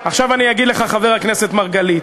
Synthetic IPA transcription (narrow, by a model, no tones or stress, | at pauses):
aχʃavanijaɡid̪leχaχaveʁakne̞se̞t̪maʁɡalit